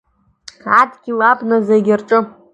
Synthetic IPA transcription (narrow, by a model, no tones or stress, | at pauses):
atʰɡʲilapʼnazeɡʲɪrʈ͡ʂʼɨ